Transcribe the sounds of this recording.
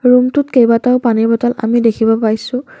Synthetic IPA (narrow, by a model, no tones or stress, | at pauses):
ɹumtʊtkejbataʊpanibɔtɔla̰midekʰibɔpaɹjsʊ̃